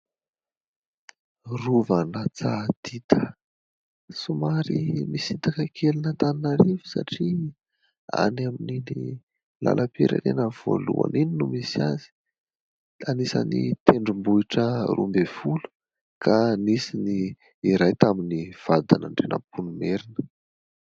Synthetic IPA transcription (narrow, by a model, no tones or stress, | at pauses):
ruvanat͡sad̪̥it̪ʰə̥ | sumaɾimisint̪akəkʰelinət̪aninaɾivu̥sa̰ʈ͡ʂi | a̰naminini | la̰lʔapeɾa̰ɾenəv̥o̰lṵa̰nininumisiazi̥ | anisa̰nit̪eɳɖ͡ʐumbuiʈ͡ʂərʔṵmbevulu̥ | kʰanisini | iɾajt̪aminiv̥ad̪anaɳɖ͡ʐenə̰punumeɾinə